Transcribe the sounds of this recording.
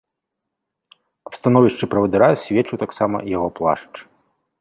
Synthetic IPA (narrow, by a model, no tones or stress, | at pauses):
ɐpst̪an̪ɔvʲiʂt͡ʂɨpɾɐvɐd̪ɨɾasʲvʲɛt͡ʂut̪aksamɐ̰jaɣɔplˠa̰ʂt͡ʂ